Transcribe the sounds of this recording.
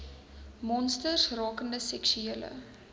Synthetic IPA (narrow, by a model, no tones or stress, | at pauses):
mɔnstərsrɑːkəndəsɛksyeːlə̰